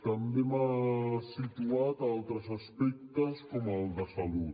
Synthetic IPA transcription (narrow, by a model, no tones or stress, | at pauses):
t̪əmbemasit̪uat̪alˠt̪ɾəzaspɛk̚t̪əskɔməlˠd̪əsalut̪